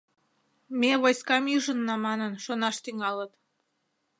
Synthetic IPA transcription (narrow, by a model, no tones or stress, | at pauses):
meβojskɑmyʒə̆nːɑmɑnənʃonɑʃt̪yŋɑlət̪